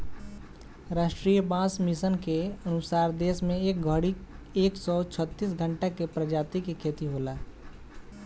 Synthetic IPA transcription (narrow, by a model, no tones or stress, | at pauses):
ɾaːʃʈɾiːjəbãsmisənkeənʊsaːɾd̪eːsmẽeːk̚ɡʱəɽi | eːksɔt͡ʃʰət̪ːis̬ɡʱə̃ɳʈakepɾəd͡ʒaːt̪ikekʰeːt̪iɦolaː